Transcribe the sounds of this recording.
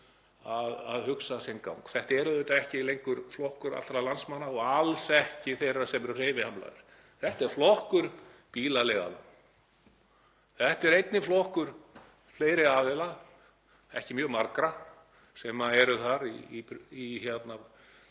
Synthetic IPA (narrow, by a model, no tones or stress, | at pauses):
aðaðhʏksasɛnka̰wŋkθɛht̪aɛɾʏðœːt̪aɛhcɪilejŋkʏɾ̥flɔhkʏɾa̰lt̪ɾalansmanːaɔɣalsɛhcɪθejrasɛmɛɾʏr̥eːjvɪhamla̰ðɪ̰ɾ̥ | θɛht̪ɛɾ̥flɔhkʏɾpiːlalɛɣa̰la̰n | θɛht̪ɛɾejt̪̚nɪflɔhkʏɾ̥ | fleːjɾɪaːðɛla | ɛ̰hcɪmjœːɣmaɾkɾa | sɛmaɛɾʏθaɾipiçɛt̪na